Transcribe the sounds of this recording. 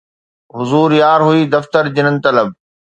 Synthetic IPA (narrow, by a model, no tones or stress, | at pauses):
ɦʊzuːɾjaːɾɦuiːd̪ɐft̪əɾd͡ʑɪnənɪ̆t̪ɐləb̚